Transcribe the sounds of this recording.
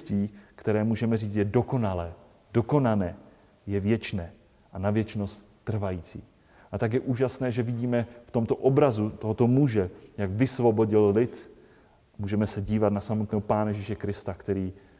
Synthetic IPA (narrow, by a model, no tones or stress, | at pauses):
t̪viːkt̪ɛɾɛːmuːʒɛmɛriːt͡st̪jɛdo̞ko̞nalɛː | d̥o̞ko̞nanɛː | jɛvjɛt͡ʃnɛː | ʔanavjɛt͡ʃno̞st̪ | t̪ːr̩vajiːt͡siː | ʔat̪akjɛʔuːʒasnɛːʒɛvɪɟiːmɛft̪o̞mt̪o̞ʔobɾazut̪oɦot̪o̞muʒɛjaɡvɪsvo̞bo̞ɟɪllɪt̪ | muːʒɛmɛsɛɟiːvat̪nasamot̪nɛːɦopaːnajɛʒiːʃɛkɾɪst̪akt̪ɛɾiː